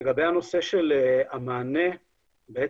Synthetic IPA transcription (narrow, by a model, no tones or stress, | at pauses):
ɡabehano̞se̞ʃelamaːne | bee